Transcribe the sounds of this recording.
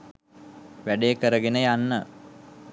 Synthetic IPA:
ʋæɖejəkəɾəɡenəjanːə

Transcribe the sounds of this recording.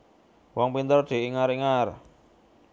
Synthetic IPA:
wɔŋpint̪ərd̪̥e̤ʔiŋaɾiŋar

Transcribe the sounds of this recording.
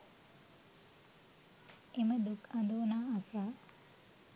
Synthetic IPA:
eməd̪ukɐnd̪oːnaːasa

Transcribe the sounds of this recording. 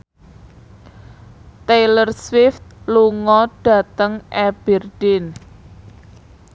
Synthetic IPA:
t̪elərswɪft̪̚luŋɔɖ̥ä̤t̪əŋʔɛb̥ɛrd̥ɪn

